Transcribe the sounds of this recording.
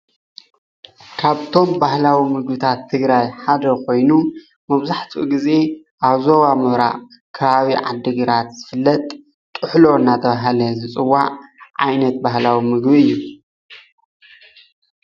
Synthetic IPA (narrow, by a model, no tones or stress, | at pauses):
kʰaβt̪ʰo̞mbahlawimɨɡbɨt̪ʰat̪ʰːɨɡɾajħad̪ɐkʰo̞jnu | mɐβzaħt̪ʰṵʔɡize̞ | ʔaβzoβamɐβɾa̰ʔ | kʰɐβaβiʕa̰d̪ːɨɡɨɾat̪z̥ɨfɨlːɐt̪ʼ | t̪ʼːɨħlo̞ɨnːat̪ʰɐβaɦalɐzɨt͡sʼɨwːaʕʕajnɐt̪̚bahlawimɨɡbiɨjːu